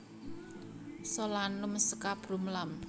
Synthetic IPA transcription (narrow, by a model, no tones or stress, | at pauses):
solanumsə̥kab̥ɾumlam